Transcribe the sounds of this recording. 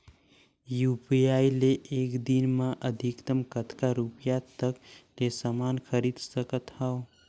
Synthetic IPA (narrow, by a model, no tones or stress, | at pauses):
jupiaileʔːkd̪inmaʔəd̪ʱikt̪əmkət̪kaɾupijat̪əklesamankʰəɾid̪səkət̪hao